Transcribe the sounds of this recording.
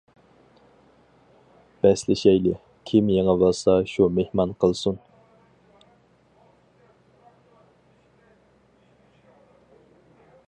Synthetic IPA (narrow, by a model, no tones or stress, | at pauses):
b̥ɛslɪʃɛjlɪ | kʲʰimjeŋævɑsɑʃumehmɑnqʰəlˠsun